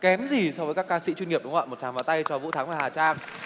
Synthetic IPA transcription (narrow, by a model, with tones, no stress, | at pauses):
kɛ˨˦mzi˨˩sɔ˧wvəː˨˦jkaː˦˥kaː˧sḭ˧˥t͡ɕwi˧nŋi˨˩əp̚ɗŋ͡mwa̰ː˧˨˩mo˨˩t̚t͡ɕʰaː˨˦ŋvaː˨˩t̪a˧jt͡ɕɔ˧vṵ˧˥t̪ʰaː˨˦ŋvaː˨˩haː˨˩t͡ɕaː˧ŋ